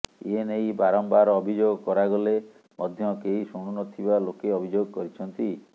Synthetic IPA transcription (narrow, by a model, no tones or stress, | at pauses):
ḭenejbaɾɔmbaɾɔbʱid͡ʒoɡkɔɾaɡole | mɔd̪ʱjɔkeisuɽ̃unɔt̪ʰibalokeɔbʱid͡ʒoɡkɔɾit͡ʃʰɔnt̪i